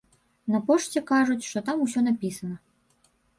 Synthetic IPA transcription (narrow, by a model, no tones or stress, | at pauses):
nɐpɔʂt͡sʲɛkaʐut͡sʲʂt̪ɔt̪amus̬ʲɔnapʲisɐnɐ